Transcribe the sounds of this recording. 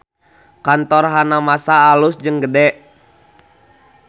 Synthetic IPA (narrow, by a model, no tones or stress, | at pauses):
kant̪ɔrɦanamasaːlʊsd͡ʒɨŋɡədɛʔ